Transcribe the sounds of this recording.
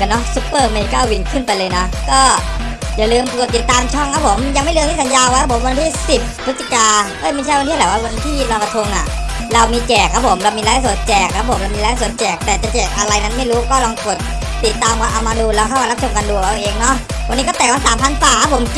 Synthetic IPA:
nɔ˦˥su˦˥pːɤː˥˩meː˧kɔː˥˩ʔa˧wi˧nkʰɯ˥˩npa˧jlɤː˧jnɔ˦˥kɔː˥˩ | jaː˨˩lɯː˧mpu˨˩t̪ːi˨˩t̪ːaː˧mt͡ɕʰɔ˥˩ŋkʰa˦˥pʰo˩˦mja˧ŋma˥˩lːŋʰiː˥˩sa˨˦njaː˧wa˧˦˥ɾa˦˥pʰo˩˦mwa˧nt̪ʰiː˥˩si˨˩p̚ʰːɯ˦˥t̪̚ːi˨˩kaː˧ʔɤː˦˥˩jma˥˩jt͡ɕʰa˥˩jwa˧nt̪ʰiː˥˩lɛː˨˦wa˦˥˩wa˧nt̪ʰiː˥˩ɾa˧wka˧t̪ʰo˧ŋʔa˨˩ | ɾa˧wmiː˧t͡ɕɛː˨˩k̚ʰa˦˥pʰo˩˦mɾa˧wmiː˧laː˦˥la˧˩su˨˩ən̚t͡ɕɛː˨˩k̚ʰːa˦˥pʰo˩˦mɾa˧wmiː˧la˦a˧˩su˩˦n̚t͡ɕɛː˨˩k̚t̪ɛː˨˩t͡ɕa˨˩t͡ɕɛː˨˩k̚ʔa˧ɾa˧jna˦˥nma˥˩jɾuː˦˥kɔː˥˩lɔː˧ŋko˨˩t̪̚ː | i˨˩t̪ːaː˧ma˧˥ʔa˧wmaː˧duː˧lɛː˧wkʰa˥˩wmːa˧˦˥t͡ɕʰo˧mka˧ndu˧˩ə˩la˧wʔeː˧ŋnɔ˦˥ʔ | wa˧ni˦˥kɔː˥˩t̪ɛː˨˩ŋwa˧nsaː˨˦mpʰa˧˥˩nfaː˧˨˩a˦˥pʰo˩˦m

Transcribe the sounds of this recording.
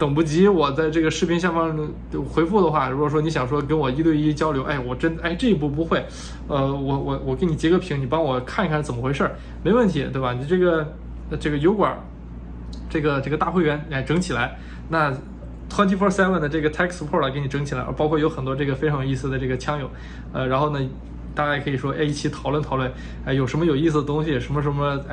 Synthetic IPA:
t̪ɤ˨˩ŋpu˥t͡ɕi˧˥wɔ˨˩t͡sa˥˧ɪʈ͡ʂɤ˥˩ɡə˩ʂɻ̩˥˩pʰi˥ŋɕja˥˩fɑ˥ŋ˧ | xwe˧˥ɪfu˥˩d̪ə˩xwa˥˩ɻu˧˥kwɔ˨˩ʂwɔ˥ni˧˥ɕjɑ˨˩ŋʂ̬wɔ˥kə˥nwɔ˨˩i˥t̪we˥˧ɪi˥t͡ɕjɑ˥ʊljo˧˥ʊʔe˥˩ɪwɔ˨˩ʈ͡ʂə˥n˩˧a˥˩ɪʈ͡ʂɤ˥˩i˧˥p̬u˥˩p̬u˧˥xwe˥˩ɪ | ə˧wɔ˨˩wɔ˨˩wɔ˨˩ke˥ɪni˨˩t͡ɕjɛ˧˥ɡə˧˥pʰi˧˥ŋni˨˩pɑ˥ŋwɔ˨˩kʰa˥˩ni˧kʰa˥˩nt͡sə˨˩mə˦xwe˧˥ɪʂə˞˥˩ | me˧˥ɪwə˥˩nt̪ʰi˧˥t̪we˥˩ɪba˩ni˨˩ʈ͡ʂɤ˥˩ɡə˩˧ | ʈ͡ʂɤ˥˩ɡə˩jo˧˥ʊkwɐ̰˨˩ | ʈ͡ʂɤ˥˩ɡə˩ʈ͡ʂɤ˥˩ɡə˩t̪a˥˩xwe˥˩ɪɥɛ˧˥nɛ˥˩ɪʈ͡ʂɤ˧˥ŋt͡ɕʰi˨˩la˧˥ɪ | na˥˩ | t̪ʰwa˥nt͡ɕʰi˥fɔ˥sɛ˥lwə˥˩d̪ə˩ʈ͡ʂɤ˥˩ɡə˩t̪ʰɛ˥kspʰɔ˥˩lə˨˩ke˥ɪni˩ʈ͡ʂɤ˧˥ŋt͡ɕʰi˨˩la̰˧˥ə̰˞˧˥pɑ˥ʊkʰɔ˥˩jo˧˥ʊxə˨˩nt̪wɔ˥ʈ͡ʂɤ˥˩ɡə˩fʈ͡ʂʰjo˨˩i˥˧sɹ̩˧˩d̪ə˩ʈ͡ʂɤ˥˩ɡə˩t͡ɕʰjɑ˥ŋjo˨˩˦ʊ | ə˧ɻa˧˥nxo˥˩ʊnə˩ | t̪a˥˧a˥˩ɪkʰɤ˧˥i˨˩ʂwɔ˥ʔḛ˥˧ɪi˥˩t͡ɕʰi˧˥t̪ʰɑ˨˩ʊlwə˥˩nt̪ʰɑ˨˩ʊlwə˥˩n | e˥˩ɪjo˨˩ʊʂə˧˥nmə˧jo˨˩ʊi˥˩s̬̩˩d̪ə˩t̪ʊ˥ŋɕi˨jɛ˨˩ʂə˧˥nmə˧ʂnmə˧˥˧

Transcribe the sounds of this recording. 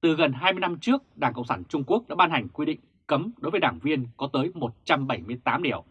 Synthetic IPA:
t̪ɨ˨˩ɣə˨˩nɦaː˧jmɨ˧jna˧mt͡ɕɨ˦˥ək̚ɗaː˧˩ŋkə̰˧˨ŋ͡msaː˧˩nt͡ɕʊ˧ŋ͡mku˦˥ək̚ɗa̰ː˧˥ɓaː˧nha˨˩jŋ̟kwi˧ɗḭ˧˨ŋkə˨˦mɗo˨˦jvə˨˦ɗaː˧˩ŋvi˧ənkɔ˨˦t̪əː˨˦jmo˨˩t̚t͡ɕa˧mɓə˧˩jmɨ˧əjt̪aː˨˦mɗi˧˩əw

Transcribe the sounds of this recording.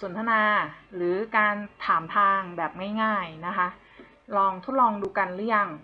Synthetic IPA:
so˨˩˦nt̪ʰa˧naː˧ɾɯː˩˦kaː˧nt̪ʰaː˩˦mt̪ʰaː˧ŋbɛː˨˩p̚ŋaː˥˩jŋaː˥˩jna˦˥kʰa˦˥ʔ | lɔː˧ŋt̪ʰo˦˥t̪̚lɔː˧ŋduː˧ka˧nlɯː˦˥ja˧˩ŋ

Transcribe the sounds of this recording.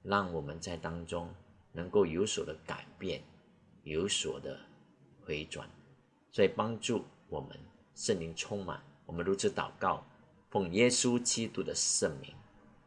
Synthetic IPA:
lɑ˥˩ŋwɔ˨˩mə˦nt͡sa˥˩ɪt̪ɑ˥ŋʈ͡ʂʊ˥ŋnə˧˥ŋko˥˩ʊjo˧˥ʊswɔ˨˩d̪ə˦ka̰˨˩ɪpjɛ̰˥˩n | jo˧˥ʊswɔ̰˨˩d̪ə̰˦ | xwe˧˥ɪʈ͡ʂwa̰˨˩˦n | swɔ˧˥i˨˩pɑ˥ŋʈ͡ʂu˥˩ | wɔ˨˩mə̰˦n | ʂə˥˩ŋli˧˥ŋt͡sʰʊ˥ŋma̰˨˩˦nwɔ˨˩mə˦nɻu˧˥t͡sʰɻ̩˧˥˦t̪ɑ̰˨˩ʊkɑ˥˩ʊ | fʊ˥˩ŋjɛ˥su˦t͡ɕi˥t̪u˥d̪ə˨ʂə˥˩ŋlḭ˧˥˦ŋ

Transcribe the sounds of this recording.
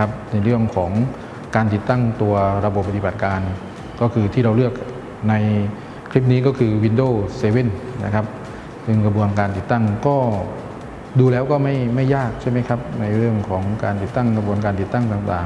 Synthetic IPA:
kʰa˦˥p̚na˧jɾɯ˥˩əŋkʰɔː˩˦ŋ | kaː˧nt̪̬i˨˩t̪ːa˥˩ŋt̪u˧ɐɾa˧bo˨˩pːa˧t̪i˨˩ba˨˩t̪̚kaː˧n | kɔː˥˩kʰɯː˧t̪ʰiː˥˩ɾa˧wlɯ˥˩ək̚ | na˧j | kʰli˦˥p̬̚niː˦˥kɔː˥˩kʰɯː˧wi˧ndoː˥˩seː˧we˥˩nna̰˦˥˩kʰa˦˥p̚ | sɯ˧˩ŋka˧bu˧ənkaː˧nt̪i˨˩t̪ːa˥˩ŋkɔː˥˩ | duː˧lɛː˦˥wkɔː˥˩ma˥˩jma˥˩jːaː˥˩k̚t͡ɕʰa˥˩jma˦˥jkʰa˦˥p̚na˧jɾɯ˥˩əŋkʰɔː˩˦ŋkaː˧nt̪i˨˩t̪ːa˥˩ŋka˧bu˧ənkaː˧nt̪i˨˩t̪ːa˥˩ŋt̪aː˨˩ŋt̪a̰ː˨˩ŋ

